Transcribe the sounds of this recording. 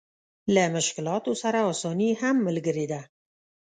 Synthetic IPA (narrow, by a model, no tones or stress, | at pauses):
ləmʊʃkɪlɑt̪osaɾaɔsɑnihamːəlɡəɾed̪a